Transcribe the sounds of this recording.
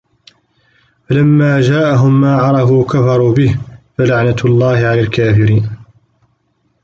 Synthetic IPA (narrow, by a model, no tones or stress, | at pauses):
falamːaːd͡ʒaːʔaɦʊmːaːʕɑɾˤɑfuːkafɑɾˤuːbɪhfalaʕnalˤːɑːhɪʕalaːlkaːfɪɾiːn